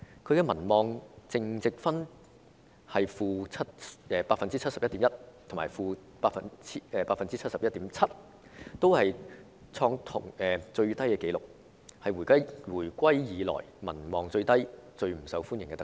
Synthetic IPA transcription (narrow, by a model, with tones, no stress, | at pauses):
kʰɵ˨˧ɥkɛː˧mɐ˨˩nmɔː˨˧ŋt͡sɪ˨˧ŋt͡sɪ˨k̚fɐ˥n | hɐ˨jfuː˨˧t͡sʰɐ˥t̚ɛː˨˧paː˧t̚fɐ˨nt͡siː˥t͡sʰt̚sɐ˨pjɐ˥t̪iː˨˧˥jɐ˥t̚t̪ʰŋmaː˨˩jfuː˨ | paː˧˥fɐ˨nt͡sʰi˥ɛː˨˧paː˧fɐ˨nt͡siː˥t͡sʰɐ˥t̚sɐ˨pjɐ˥t̪iː˨˥mt͡sʰɐ˥t̚ | t̪o˥whɐ˨j | t͡sʰɔː˧ŋt̪ʰʊ̰˨˩ŋɛː˨t͡sɵ˧ɥt̪ɐ˥jkɛː˧ke˨˥jlʊ˨k̚ | hɐ˨jwuː˨˩jkɐ˥jwuː˨˩jkʷɐ˥jjiː˨˧lɔ̰ː˨˩jmɐ̰˨˩nmɔː˨ŋt͡sɵ˧ɥt̪ɐ˥jt͡sɵ˧ɥm̩˨˩sɐ˨˧wfuː˥njɪ˨˩ŋkɛː˧t̪